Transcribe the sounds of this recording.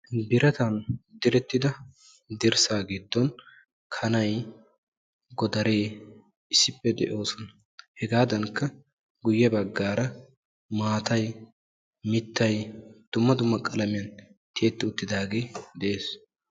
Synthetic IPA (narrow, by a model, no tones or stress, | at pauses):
bɪɾɐt̪ɐnd̪ɪɾɛt̪ːɪd̪ɐ | d̪ɪɾsaːɡid̪ːɔn | kʰɐnɐj | ɡɔd̪ɐɾe̞ː | ɪsːɪpːɛd̪ɛ̰ʔo̞ːsɔnɐ | hɛɡaːd̪ɐŋkːɐ | ɡʊjːɛbɐɡːaːɾɐ | maːt̪ɐj | mɪt̪ːɐjd̪̥ʊmːɐd̪ʊmːɐkʼɐlɐmɪjɐnt̪ʰe̞ːt̪ːɪʊt̪ːɪd̪aːɡeːd̪ɛʔeːs